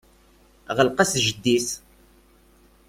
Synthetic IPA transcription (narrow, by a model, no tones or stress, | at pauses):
ʁəlqæsʒəd̪ːis